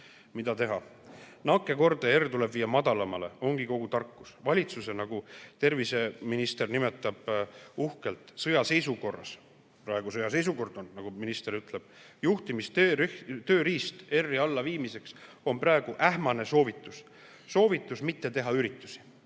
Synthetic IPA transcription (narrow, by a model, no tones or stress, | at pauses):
mid̪ɑt̪e̞ɦɑ | nɑkːˑe̞ko̞rd̪̥eert̪ule̞bviːjːɑmɑd̪ɑlɑmɑle̞̰o̞ŋɡ̥iko̞ɡ̥ut̪ɑrkːu̥svɑlʲit̪suse̞nɑɡ̥ut̪e̞rvise̞minist̪ernime̞t̪ːˑɑb̥uhke̞lt̪ˑsɤjɑse̞jsuko̞rːɑ̰s | prɑe̞ɡ̥usɤjɑse̞js̬uko̞rd̪̥o̞nnɑɡ̥uminist̪e̞ɾyt̪ˑleb̥̚ | juht̪imist̪t̪ø̞ːɾiːst̪e̞rːiɑlːɑviːmise̞ks | o̞npɾɑeɡ̥uʔæɦmɑne̞so̞ːvit̪ːˑus | so̞ːvit̪ːˑusmit̪ːe̞t̪e̞ɦɑyɾit̪ːˑusi̥